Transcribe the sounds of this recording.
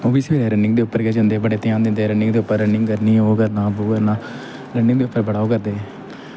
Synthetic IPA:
oːbisʋeːleːɾənɖɪ̃ŋɡd̪eːʊpːəɾkɛːd͡ʒə̃nd̪eːbəɽeːt̪ɪjãːnd̪ẽnd̪eːɾəɳɖɪ̃ŋɡd̪eːʊpːəɾːəɳɪŋɡkəɾniːoːkəɾnãːboːkəɾnãː | ɾəɳɪŋɡd̪eːʊpːəɾbəɽaːoːkəɾd̪eː

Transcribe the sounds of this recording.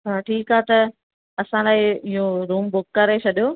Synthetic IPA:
ɦaːʈʰiːkaːt̪ɐ | ɐsãlaːɪɪɦõɾuːmbʊkːɐɾet͡ɕʰɐɗijoː

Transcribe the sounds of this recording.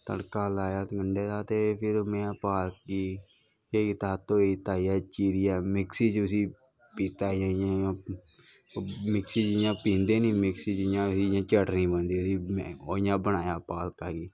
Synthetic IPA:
t̪ə̰ɽkaːlaːjaːtɡəɳɖeːt̪aːt̪eːpʰɪɾmɛ̃ːpaːlkiː | eːkɪt̪aːt̪õːet̪aːiːɛːt͡ʃiːɾiːɛːmɪksiːt͡ʃʊsiː | piːt̪aːjãːjã | mɪksiːd͡ʒɪjãːpĩːnd̪eːnĩːmɪksiːd͡ʒɪjãːʊsiːjãːt͡ʃəʈnĩːbənd̪iːʊsiːmoːɪjãːbəñaːjaːpaːlkaːɡiː

